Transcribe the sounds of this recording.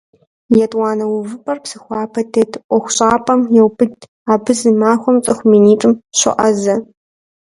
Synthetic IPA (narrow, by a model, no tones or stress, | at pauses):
jɛtʼwɑːnɐwʊvɨpʰʼɐrpsɨxʷɑːpʰɐtʰetʰʔʷɔxʷɕʼaːpʼɐmjɛwpʰɨ | aːbɨzɨmaːxʷɔmt͡sʼɐxʷmiːniːtʼɨmɕɨ̰ʔɐzɐ